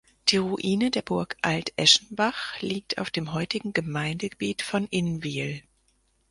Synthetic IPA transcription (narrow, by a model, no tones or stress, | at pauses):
d̥iːʁuʔiːnədeːɐbʊɐkʰʔaltʔɛʃn̩baχliːk̚tʰa̰ʊfd̥eːmɦɔʏtɪɡŋ̩ɡəmaɪndəɡəbiːtfɔnʔɪnviːl